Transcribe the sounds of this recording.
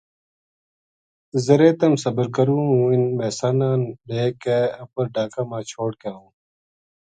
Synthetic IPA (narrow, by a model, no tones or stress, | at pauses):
zɐɾeːt̪ɐmsɐbəɾkɐɾũːũːinmeːsaːnaːnɖeːkeɐbɐɾɖaːkamãːt͡ɕʰoːɽ̚kaːũːn